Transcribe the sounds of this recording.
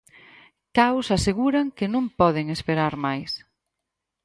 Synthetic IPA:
kawsaseɣuɾaŋkɪnõmpɔðɪŋespeɾaɾmajs

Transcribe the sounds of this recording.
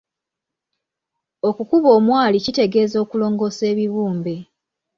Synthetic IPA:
o̞kukuβo̞ːmwaːlicite̞ɡe̞ːzo̞ːkulo̞ːŋɡo̞se̞ːβiβuːmbe̞

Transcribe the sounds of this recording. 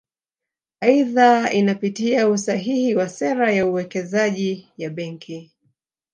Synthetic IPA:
aiðainapitiausaɦihiwasɛɾajauwɛkɛzaʄijaɓɛŋkʰi

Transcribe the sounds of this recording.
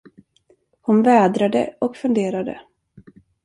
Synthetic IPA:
hʊnvɛːd̪ɾad̪ə̰ɔkfɵnd̪eːɾad̪ə̰

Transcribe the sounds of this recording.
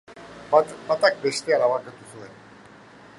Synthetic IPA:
bat̪ak̚best̪eaɾaβakat̪usuen

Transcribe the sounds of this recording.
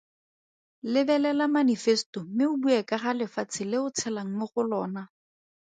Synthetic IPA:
lɪbɛlɛlamanifɛstɔmɪʊbuɛkʼaχalɪfat͡sʰɪlɪʊt͡sʰɛlaŋ̩mʊχʊlɔːna

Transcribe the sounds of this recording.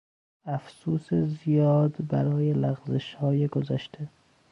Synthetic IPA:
æfsuːsezijɒːd̪bæɾɒːjelæɣzeʃhɒːjeɡozæʃt̪ʰe

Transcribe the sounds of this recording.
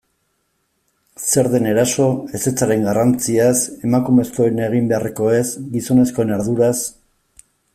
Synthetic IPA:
se̞ɾðe̞ne̞ɾaso̞e̞se̞t͡saɾe̞ŋɡarant͡siase̞makume̞skoeneɣ̞imbe̞areko̞e̞sɡiso̞ne̞sko̞enaɾðuɾas

